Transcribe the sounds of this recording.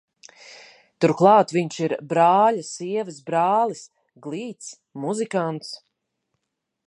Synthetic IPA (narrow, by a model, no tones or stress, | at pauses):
t̪uɾklˠɑːt̪viɲʃiɾbɾaːlasiɛvis̬bɾaːlˠis | ɡlˠiːt̪s | muzikant̪s